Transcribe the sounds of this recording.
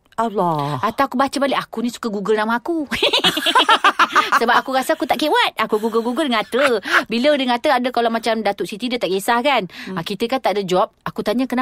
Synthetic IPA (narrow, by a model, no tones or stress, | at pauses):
alɔat̪awakubat͡ʃəbalɪʔakunĩsu̥kaɡuɡəlnamaku | səbap̚akuɾasaakut̪aʔkewat̪̚akuɡuɡəlɡuɡəldəŋat̪əbilədəŋat̪əadəkalamat͡ʃamdat̪ʊʔsit̪idət̪aʔkesahkanakit̪əkat̪aʔdəd͡ʒɔp̚akut̪aɲakəna